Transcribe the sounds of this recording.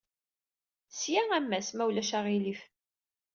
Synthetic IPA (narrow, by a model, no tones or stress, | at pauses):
sjææmːæsmæwlæʃæʁilif